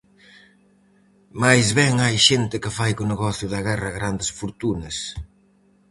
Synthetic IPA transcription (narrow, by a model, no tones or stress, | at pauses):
majzβɛŋajʃent̪ɪkɪfajkʊneɣɔθjʊðɐɣɛrɐɣɾand̪ɪsfoɾt̪unɐs